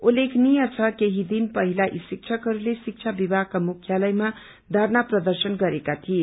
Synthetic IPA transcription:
ulekʰnijʌt͡sʰʌkeɦid̪inpʌɦilaʔisik̚t͡sʰʌkɦʌɾulesik̚t͡sʰabibʱakamukʰjalʌjma | d̪ʱaɾnaprʌd̪ʌrsʌnɡʌɾekat̪ʰie

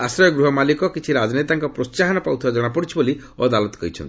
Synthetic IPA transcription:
asɾɔjɔɡɾuɦɔmalikɔkit͡ʃʰiɾad͡ʒɔnet̪aŋkɔpɾot͡ʃaɦanɔpawt̪ʰibad͡ʒɔɽ̃apɔɽit͡ʃʰiboli | o̰d̪alɔt̪ɔ̥kɔɦjt͡ʃʰɔ̰nt̪i

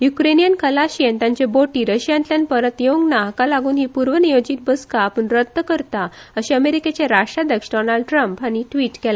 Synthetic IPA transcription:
jukɾenijənkəlaɕiənt̪jãɲt͡ɕeboʈiːɾəɕjãnt̪ljanpəɾət̪joɡnaɦkalaɡuːnɦiːpuɾʋənijod͡ʑiːt̪̚bəskaːpəɳɾəd̪ːəkəɾt̪aəɕiəmeɾiket͡ɕeɾaʂʈɾad̪jəksɖɔnaɭɖ̚ʈɾəmpañiʈʋiːʈkɛla

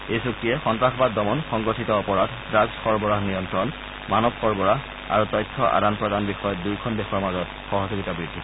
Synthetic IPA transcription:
ejsuk̚tiɛxɔntɹaxɔbaddɔmɔnxɔŋɡɔtʰitɔɔpɔɹad | dɹaɡsxɔɹbɔɹaɦnijɔntɹɔn | manɔbxɔɹbɔɹaɦ | a̰ɹutɔjtʰːɔʔa̰danpɹɔdanbixɔjɔtdujkʰɔndexɔɹmazɔt | xɔɦɔzoɡitabɹidʱːi

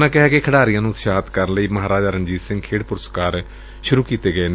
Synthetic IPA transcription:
nãːkɛɦɛːkekʰəɽaːɾijãːnũt̪ʃaːt̪kəɾənləiːməɦaːɾaːd͡ʒəɾənd͡ʒiːt̪sɪ̃ŋɡkʰeːɽpʊɾəskaːɾ | ʃʊɾuːkiːt̪eːɡəeːn

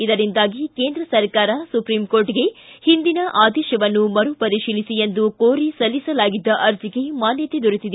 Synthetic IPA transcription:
id̪ɐɾind̪aːɡikeːnd̪ɾɐsɐɾkaːɾɐsupɾimkoːɾʈiɡe̞hind̪inɐʔaːd̪ɛːʃɐʋɐnːumɐɾupɐɾiʃiːlisiend̪ukoːɾisɐlːisɐlaːɡid̪ːɐʔɐɾd͡ʒ̪iɡe̞maːnjɐt̪ed̪uɾit̪id̪e

